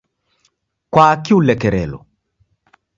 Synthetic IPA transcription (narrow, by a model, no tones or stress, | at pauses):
kwaːkɪulɛkɛɾɛ̰lɔ̰